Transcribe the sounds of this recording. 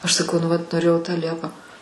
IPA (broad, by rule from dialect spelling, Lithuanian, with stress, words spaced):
ɐʃ sɐˈkɐʊ nʊ ʋɐt noːˈrʲeːjɛʊ tɑː ˈlʲiɛpɑː